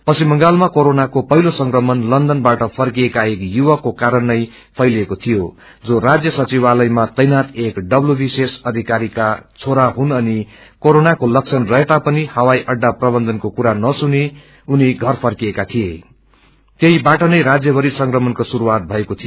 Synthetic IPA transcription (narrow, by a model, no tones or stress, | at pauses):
pʌsimʌŋɡalmakoɾonakopʌɦilosʌŋkrʌmʌnlʌnd̪ʌnbaʈʌpʰʌrkiekaekjuwakokaɾʌnːʌj | pʰʌjlekot̪ʰijo | d͡zorad͡zjʌsʌt͡siβalʌjmat͡sʌjnat̪ekɖʌblubisesʌd̪ʱikaɾikat͡sʰoɾaɦunʌni | koɾonakolʌk̚t͡sʰʌnrʌɦet̪apʌnihʌwajʔʌɖːaprʌbʌnd̪ʱʌnkokuɾanʌsune | uniɡʱʌrpʰʌrkiekat̪ʰije | t̪jeibaʈʌnʌjɾad͡zjʌbʱʌɾisʌŋkrʌmʌnkosuɾuwat̪̚bʱʌekot̪ʰijo